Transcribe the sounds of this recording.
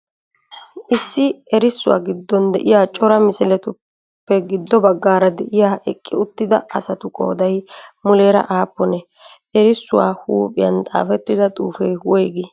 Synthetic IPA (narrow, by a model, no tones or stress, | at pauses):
ʔɪsːɪɛɾɪsːʊwa̰ːɡɪd̪ːɔnd̪ɛʔɪjaːt͡ʃʼɔɾɐmɪsɪlɛt̪ʊ | pːɛɡɪd̪ːɔbɐɡːaːɾɐd̪ɛʔɪjaːʔɛkʼːɪʊt̪ːɪd̪ɐɐsɐt̪ʊkʼo̞̰ːd̪ɐjmʊleːɾɐ̰ʔaːpːɔnɛ | ʔɛɾɪsːʊwa̰ːhuːpʼɪjɐnt̪ʼa̰ːfɛt̪ːɪd̪ɐt̪ʼuːfɛjwɔjɡɪ